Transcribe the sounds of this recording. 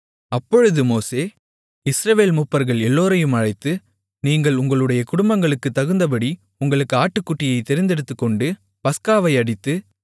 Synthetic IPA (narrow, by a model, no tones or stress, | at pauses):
ɐpːɔɻɯðɯmoːseː | ɪsɾɐʋeːlmʊpːɐɾɣɐɭɛlːoːɾɐjɯmɐɻɐɪt̪ːɯ | niːŋɡɐɭʊŋɡɐɭɯɽɐjɐkʊɽʊmbɐŋɡɐɭɯkːɯt̪ːɐɣɯnd̪ɐp̬ɐɽi | ʊŋɡɐɭɯkːɯaːʈːɯkːʊʈːɪjɐɪt̪ːɛɾɪnd̪ɛɽɯt̪ːɯkːɔɳɖɯ | pɐskaːʋɐɪɐɽɪt̪ːɯ